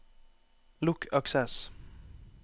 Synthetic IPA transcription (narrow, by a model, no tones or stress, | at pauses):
lʊkʰɑksɛs